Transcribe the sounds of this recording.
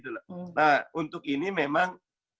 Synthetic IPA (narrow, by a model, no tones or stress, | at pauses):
t̪ulanahunt̪ʊkinimemaŋ